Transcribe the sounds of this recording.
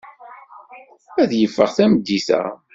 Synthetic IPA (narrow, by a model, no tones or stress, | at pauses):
æðjəfːəʁθæməd̪ːiθæ̰